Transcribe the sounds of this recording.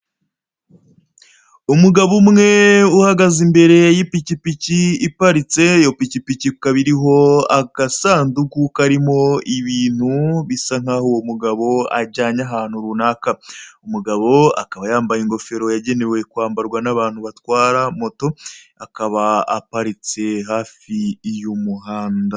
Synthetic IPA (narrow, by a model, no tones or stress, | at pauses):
umuɡaβumŋe̞uhaɡazimbe̞ɾe̞jjipicipiciːpaɾit͡se̞jo̞picipicikaβiɾiɦo̞aɡ̥asaːndukukaɾimo̞iβiːn̥huβisaŋ̥haːhowomuɡaβo̞a̰ɟaːɲaɦaːn̥huɾunakaumuɡaβo̞a̰kaβajaːmbajiŋɡo̞fe̞ɾo̞jaɟe̞ne̞we̞kwaːmbaɾɡwanaβaːnhuβatwaːɾamo̞to̞akaβaːpaɾit͡se̞ɦaːfijumuɦaːnda